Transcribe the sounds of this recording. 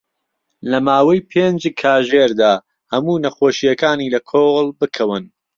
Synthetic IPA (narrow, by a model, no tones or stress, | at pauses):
lɐmaːwɐjpʰend͡ʒkʰaːʒeɾd̪aː | hɐmuːnɐxoːʃijɐkaːniːlɐkʰoːɣɨlˠbɨkʰɐwɨn